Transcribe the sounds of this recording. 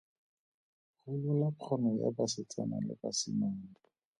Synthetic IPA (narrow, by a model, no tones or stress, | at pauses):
χʊlʊlapʰɔnɔja̰basɪt͡sʼana̰lɪ̰basɪmaŋ̩ɔ